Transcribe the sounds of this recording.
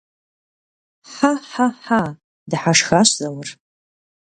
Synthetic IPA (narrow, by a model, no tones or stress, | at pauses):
ħaħaħa | dɨħaʂxaɕzawar